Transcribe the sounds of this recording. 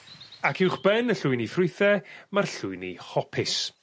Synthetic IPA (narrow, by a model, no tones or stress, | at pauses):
akʰɪwχb̥ɛnəɬʊɨnifrʊɨθɛmarɬʊɨnḭhɔpʰɪs